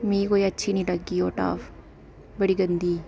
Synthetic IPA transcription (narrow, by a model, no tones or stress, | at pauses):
mĩːkoːiətːʃʰiːnĩːʈəɡːiːoːʈa̰ːf | bəɽiːɡənd̪iː